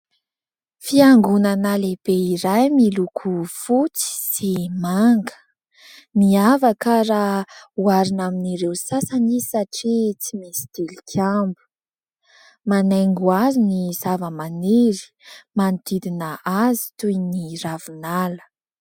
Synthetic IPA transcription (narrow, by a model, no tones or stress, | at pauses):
fiaŋɡunanaleb̥eiɾajmilukʰufut͡si̥simaŋɡə̥ | niavakaɾauaɾinaminiɾewsasanisaʈ͡ʂit͡simisi̥d̪̥ilikʲʰambu̥ | manaŋɡuazinizavəmaniɾi̥ | mant̪id̪inəazi̥t̪ujniravinalə̥